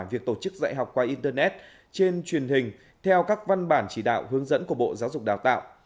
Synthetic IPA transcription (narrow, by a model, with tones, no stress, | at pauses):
vi˨˩ək̚t̪o˧˩t͡ɕɨ˦˥k̚za̰ː˧˨jɦa˨˩wk͡p̚kwaː˧ʔi˧nt̪əː˧nɛ˦˥t̚ | t͡ɕe˧nt͡ɕwi˨˩ənhï˨˩ŋ̟ | t̪ʰɛ˧wkaː˦˥k̚va˧nɓaː˧˩nt͡ɕi˧˩ɗa̰ː˧˨wʔhɨ˨˦əŋzə̰˧˥nku˧˩əɓo̰˧˨zaː˨˦wzʊ˨˩k͡p̚ɗaː˨˩wt̪a̰ː˧˨wʔ